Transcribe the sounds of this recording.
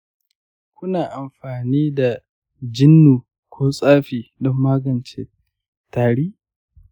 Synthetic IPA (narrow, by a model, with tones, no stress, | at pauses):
kʷʊ˦naː˨ʔa˨mɸaː˨niː˦da˨ | d͡ʒɪ˦nːuː˨ | kʷoː˦sʼaː˦ɸiː˨dɔ˦mːaː˦ɡɐ˨nt͡ʃḛ˦ | taː˨ɽiː˦